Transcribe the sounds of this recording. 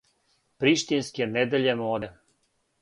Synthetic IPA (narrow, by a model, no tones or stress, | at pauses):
pɾiʃt̪inskʲened̪eʎemod̪e